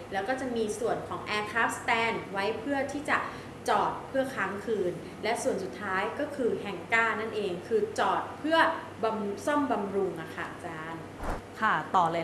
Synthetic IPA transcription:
lɛː˦˥wkɔː˥˩t͡ɕa˨˩miː˧su˨˩ənkʰɔː˩˦ŋʔɛː˧kʰaː˦˥p̚st̪ɛː˧nwa˦˥jpʰɯ˥˩ɐt̪ʰiː˥˩t͡ɕa˨˩ | t͡ɕɔː˨˩t̪̚pʰɯ˥˩ɐkʰaː˦˥ŋkʰɯː˧n | lɛ˦˥su˨˩ənsu˨˩t̪ʰːaː˦˥jkɔː˥˩kʰɯː˧ɦɛ˨˩ŋkaː˥˩na˥˩nʔeː˧ŋkʰɯː˧t͡ɕɔː˨˩t̪̚pʰɯ˥˩ɐ | ba˧msɔ˥˩mba˧mɾu˧ŋʔa˨˩kʰa˥˩ʔt͡ɕaː˧˩n | kʰa˥˩t̪ɔː˨˩lː

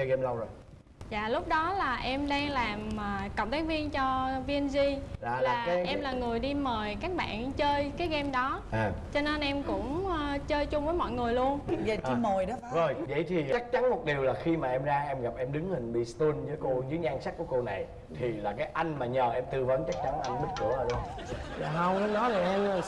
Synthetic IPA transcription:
t͡ɕəː˧ɣɛ˧mla˧wŋ͡mzo˨˩j | za̰ː˧˨lʊ˦˥k͡p̚ɗɔ˨˦laː˨˩ʔɛ˧mɗaː˧ŋlaː˨˩mː˨˩kə̰˧˨wŋ͡mt̪ʰaː˨˦ŋvi˧ənt͡ɕɔ˧vi˧ə˧nzi˧laː˨˩la˨˩˨kaː˨˦jʔɛ˧mlaː˨˩ŋɨ˨˩əjɗi˧məː˨˩jkaː˦˥k̚ɓa̰ː˧˨nt͡ɕəː˧jkaː˨˦jɣɛ˧mɗɔ˨˦ʔaː˨˩t͡ɕɔ˧ne˧nʔɛ˧mkʊ̰˧˥ŋ͡mt͡ɕəː˧jt͡ɕʊ˧ŋ͡mvəː˨˦jmɔ̰˧˨jŋɨ˨˩əjlu˧ənzəː˨˩t͡ɕi˧˨˧mə˨˩jɗɔ˨˦zo˨˩jvə̰˧˨jt̪ʰi˨˩t͡ɕa˦˥k̚t͡ɕa˨˦nmo˨˩t̚ɗi˨˩əwlaː˨˩xi˧maː˨˩ʔɛ˧mzaː˧ʔɛ˧mɣa˨˩p̚ʔɛ˧mɗɨ˨˦ŋhï˨˩ŋ̟ɓḭ˧˨st̪wi˧nzɨː˨˦jko˧zɨ̰˨˦ɲaː˧ŋsa˦˥k̚ku˧˩əko˧na˨˩j | t̪ʰi˨˩laː˨˩kaː˨˦jʔa˧jŋ̟maː˨˩ɲəː˨˩ʔɛ˧mt̪ɨ˧və˨˦nt͡ɕa˦˥k̚t͡ɕa˨˦nlaː˨˩ʔɛ˧mɓi˦˥t̚kṵ˧˩əaː˨˩ɗu˧aː˨˩ɦə˧wə˨˦nɔ˨˦za˨˩ʔɛ˧m˨˩

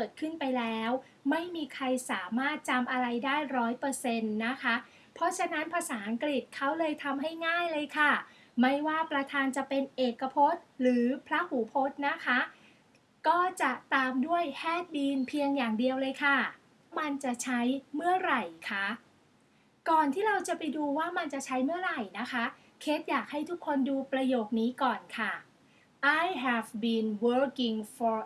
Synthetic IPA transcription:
kɤː˨˩t̪̚kʰɯ˥˩npa˧jlɛː˦˥w | ma˥˩jmiː˧kʰɾa˧jsaː˩˦maː˥˩t̪̚t͡ɕa˧mʔa˧ɾa˧jdaː˥˩jɾɔː˦˥jpɤː˧se˧nːa˦˥kʰa˦˥ | pʰɔ˦˥t͡ɕʰa˧na˦˥npʰa˧saː˩˦ʔa˧ŋkɾi˨˩t̪̚kʰa˦˥wlɤː˧jt̪ʰa˧mɦa˥˩jŋaː˥˩jlɤː˧jkʰa˥˩ | ma˥˩jwaː˥˩pɾa˧t̪ʰaː˧nt͡ɕa˨˩pe˧nʔeː˨˩kːa˧pʰo˦˥t̪̚ɾɯː˩˦pʰɾa˦˥huː˩˦pʰo˦˥t̪̚na˦˥kʰa˦˥ | kɔː˥˩t͡ɕa˨˩t̪aː˧mdu˥˩əjhʰɛː˥˩t̪̚biː˧npʰi˧əŋjaː˨˩ŋdi˧əwlɤː˧jkʰa˥˩ | ma˧nt͡ɕa˨˩t͡ɕʰa˦˥jmɯ˥˩əɾa˨˩jkʰa˦˥˩ | kɔː˨˩nt̪ʰiː˥˩ɾa˧wt͡ɕa˨˩pa˧jduː˧waː˥˩ma˧nt͡ɕa˨˩t͡ɕʰa˦˥jmɯ˥˩ɐɾa˨˩jna˦˥kʰa˦˥ | kʰe˦˥t̪̚jaː˨˩k̚ha˥˩jt̪ʰu˦˥kʰːo˧nduː˧pɾa˧joː˨˩k̚niː˦˥kɔː˨˩nkʰa˥˩ | ʔa˧jɦɛ˧˩fbiː˨˧nwɤː˦˥ki˧ŋfɔː˧

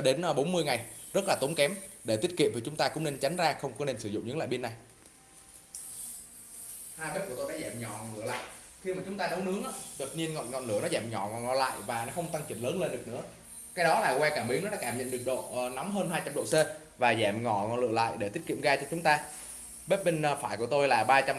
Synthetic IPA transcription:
ɗe˨˦nː˧ɓo˨˦nmɨ˧əjŋa˨˩jzə˦˥t̚laː˨˩t̪o˨˦nkɛ˨˦mɗe˧˩t̪i˦˥ət̚kḭ˧˨əmvi˨˩t͡ɕʊ˨˦ŋ͡mt̪aː˧kʊ̰˧˥ŋ͡mne˧nt͡ɕa˨˦jŋ̟zaː˧xə˧wŋ͡mkɔ˨˦ne˧nsɨ˧˩zʊ̰˧˨ŋ͡mɲɨ̰˧˥ŋla̰ː˧˨jɓi˧nːa˨˩j | haː˧jɓe˦˥t̚ku˧˩ət̪o˧jɗaː˧˥zɛː˧˩mɲɔ˧˩lɨ˧˩əla̰ː˧˨j | xi˧maː˨˩t͡ɕʊ˨˦ŋ͡mt̪aː˧nə˨˦wnɨ˨˦əŋʔa˨˦ɗ̪wə˨˩t̚ɲi˧ənŋɔ̰˧˨nŋɔ̰˧˨nlɨ̰˧˩ənɔ˨˦zɛː˧˩mɲɔ˧˩ŋɔ˨nŋɔ̰˧˩la̰ː˧˨jvaː˨˩nɔ˨˦xə˧wŋ͡mt̪a˧ŋt͡ɕï˨˧˩nləː˨˦nle˧nɗɨ˨˩ək̚nɨ̰˧˥ə | kaː˧˦jɗɔ˨˦laː˨˩kwɛ˧kaː˧˩mɓi˨˦ŋnɔ˨˦ɗa̰ː˧˥kaː˧˩mɲə̰˧˨nɗɨ˨˩ək̚ɗo̰˧˨nɔ˨˦wŋ͡mɦəː˧nɦaː˧t͡ɕa˧mɗo̰˧˨se˧vaː˨˩zɛː˧˩mŋɔ̰˧˩ŋɔ̰˨nlɨ̰˧˨əla̰ː˧˨jɗe˧˩t̪i˦˥ət̚kḭ˧˨əmɣaː˧t͡ɕɔ˧t͡ɕʊ˨˦ŋ͡mt̪aː˧ | ɓe˦˥t̚ɓe˧n˧faː˧˩jku˧˩ət̪o˧jlaː˨˩ɓaː˧t͡ɕa˧m

